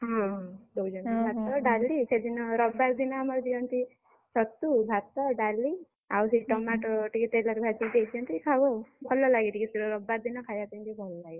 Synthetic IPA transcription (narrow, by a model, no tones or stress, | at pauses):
ɦɔ̃d̪ɔwd͡ʒɔnibʱat̪ːɔɖalisʰed̪inɔɾɔbaɾd̪inaamɔɾd̪iɔnt̪i | sɔt̪ubʱat̪ɔɖali | awsiʈɔmaʈɔʈikit̪elaɾbʱad͡ʒid̪ekd͡ʒiɔnt̪ikʰawɔbʱɔlːɔlaɡiʈʰikisuɾɔɾɔbaɾd̪inɔkʰajat̪ind͡ʒibʱɔlɔlaɡi